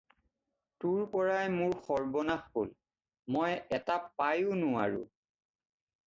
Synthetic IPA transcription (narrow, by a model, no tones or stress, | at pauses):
tuɹpɔɹajmʊɹxɔɹbɔnaxhol | mɔjɛtapajʊnʊwa̰ɹʊ̰